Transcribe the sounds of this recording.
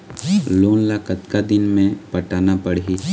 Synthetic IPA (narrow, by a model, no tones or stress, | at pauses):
loːnlaːkət̪kad̪ɪnmẽpəʈaːnapəɽɦi